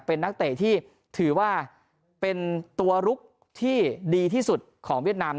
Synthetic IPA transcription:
pe˧nːa˦˥k̚t̪eː˨˩t̪ʰiː˥˩ | t̪ʰɯː˩˦waː˥˩ | pe˧nt̪u˧ɐɾu˦˥k̚ | t̪ʰiː˥˩diː˧t̪ʰiː˥˩su˨˩t̪̚kʰɔː˩˦ŋwi˥˩ət̪̚naː˧m

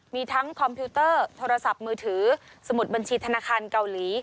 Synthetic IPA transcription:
miː˧t̪ʰa˦˥ŋkʰɔ˧mpʰiː˦˥t̪ɤː˥˩t̪ʰoː˧ɾa˧sa˨˩p̚mɯː˧t̪ʰɯː˩˦sa˧mu˨˩t̪̚ba˧nt͡ɕʰiː˧t̪ʰa˧naː˧kʰaː˧nka˧wliː˩˦

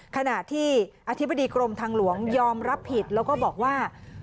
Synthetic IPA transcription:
kʰa˧na˨˩ʔt̪ʰiː˥˩ʔa˧t̪ʰi˦˥bːa˧diː˧kɾo˧mt̪ʰaː˧ŋlu˩˦əŋjɔː˧mɾa˦˥pʰːi˨˩t̪̚lɛː˦˥wkɔː˥˩bɔː˨˩k̚waː˥˩

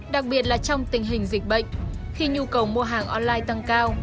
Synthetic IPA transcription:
ɗa˨˩k̚ɓi˨˩ət̚laː˨˩t͡ɕɔ˧wŋ͡mt̪ï˨˩ŋ̟ɦï˨˩ŋ̟zi˨˩k̟̚ɓə̰˧˨jŋ̟ | xi˧ɲu˧kə˨˩wmu˧əɦaː˨˩ŋʔɔ˧nlaː˧jt̪a˧ŋkaː˧w

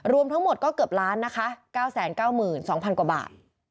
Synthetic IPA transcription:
ɾu˧əmt̪ʰa˦˥ŋmo˨˩t̪̚kɔː˥˩kɤ˨˩p̚ɾaː˦˥nːa˦˥kʰa˦˥kaː˥˩wsɛː˩˦nkaː˥˩wmɯː˨˩nsɔː˩˦ŋpʰa˧nkwa˨˩ba̰ː˨˩t̪̚

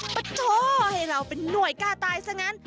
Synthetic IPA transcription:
pa˧t̪ʰoː˧˥ha˧˩jɾa˧wpe˧nːu˨˧˩əjkaː˥˩t̪aː˧jsa˧˥˩ŋa˦˥n

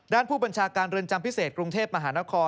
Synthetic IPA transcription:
daː˥˩npʰuː˥˩ba˧nt͡ɕʰaː˧kaː˧nɾɯ˧nt͡ɕa˧mpʰi˦˥seː˨˩t̪̚kɾu˧ŋt̪ʰeː˥˩p̚ma˧ɦaː˩˦na˦˥kʰɔː˧

